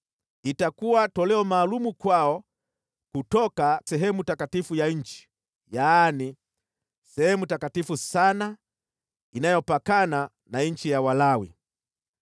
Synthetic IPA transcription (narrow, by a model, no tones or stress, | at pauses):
itakuwatɔlɛɔmaːlumukwaɔ | kutɔkasɛɦɛmutakatifujaɲ̩t͡ʃi̥ | jaːni | sɛhɛmutakatifusana | inajɔpakana | naɲ̩t͡ʃijawalawḭ